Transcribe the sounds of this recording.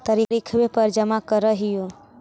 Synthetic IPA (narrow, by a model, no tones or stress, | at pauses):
t̪əɾiɾikʰʋepəɾd͡ʒəmakəɾəɦijo